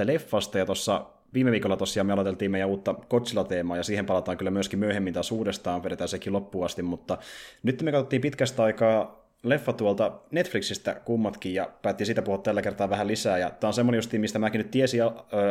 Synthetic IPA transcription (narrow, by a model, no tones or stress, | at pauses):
lefːɑst̪ɑjɑt̪osːɑ | ʋiːmeʋiːkolːɑt̪osːijɑːmeɑlot̪elt̪iːmejæuːt̪ːɑkot̪silɑt̪eːmɑːjɑsiːhempɑlɑt̪ɑːŋkylːæmyøskimyøhemːint̪ɑsuːdest̪ɑːmpeɾet̪æːsekilopːuɑst̪immut̪ːɑnyt̪ːemekɑt̪ot̪ːiːmpit̪kæst̪ɑikɑː | lefːɑt̪uolt̪ɑnet̪fliksist̪æ̰kumːɑt̪kijjɑpæːt̪ːiːnsiːt̪æpuhuɑt̪t̪ælːækert̪ɑːʋʋæhælisæːjɑt̪ːæonsemːonejust̪iːmist̪æmæːkinyt̪t̪iesiɑø